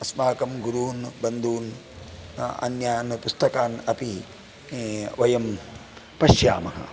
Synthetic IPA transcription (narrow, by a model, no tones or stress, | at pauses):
ɐsmaːkɐmɡuɾuːnbɐnd̪uːn | ɐ̰njaːnɐpust̪ɐkaːnɐpi | ʋɐjɐm | pɐʃja̰ːmɐɦɐ̰